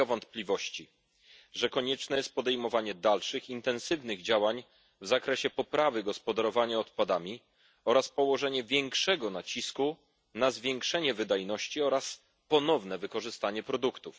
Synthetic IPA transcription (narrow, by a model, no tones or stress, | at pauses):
ɔvɔnt̪plʲivɔɕt͡ɕi | ʐɛkɔɲɛt͡ʂnɛjɛst̪̚pɔd̪ɛjmɔvaɲɛd̪alʂɘxint̪ɛnsɘvnɘɣd͡ʑawaɲ | vzakɾɛɕɛpɔpɾavɘɡɔspɔd̪aɾɔvaɲaɔt̪pad̪amʲi | ɔɾaspɔwɔʐɛɲɛvʲjɛŋkʂɛɡɔnat͡ɕisku | nazvʲjɛŋkʂɛɲɛvɘd̪ajnɔɕt͡ɕiɔɾas | pɔnɔvn̪ɛvɘkɔʐɘst̪aɲɛpɾɔd̪ukt̪uf